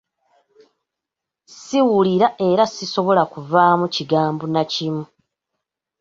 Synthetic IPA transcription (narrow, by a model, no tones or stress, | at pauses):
siwuliɾaʔe̞ɾasiso̞βo̞lakuvaːmuciɡaːmbunacimu